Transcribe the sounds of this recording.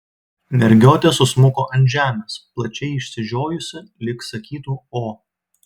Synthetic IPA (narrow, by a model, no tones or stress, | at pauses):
mʲɛɾʲɡʲoːt̪ʲeːsʊsmʊkoːʔɐnʲʒʲæːmʲesplˠɐt͡ʃʲɛɪɪʃʲsʲɪʒʲoːjʊsʲɪlʲɪksɐkʲiːt̪uːoː